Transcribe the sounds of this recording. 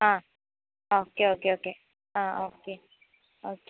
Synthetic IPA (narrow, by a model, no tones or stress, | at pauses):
ã | okeokeoke | ãoke | ok